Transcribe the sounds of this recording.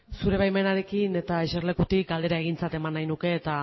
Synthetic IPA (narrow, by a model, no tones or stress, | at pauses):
suɾe̞βajme̞naɾe̞kine̞t̪aeʃerle̞kut̪ik̚ɡald̪e̞ɾae̞ɣ̞int͡sat̪e̞manːajnuke̞ːt̪a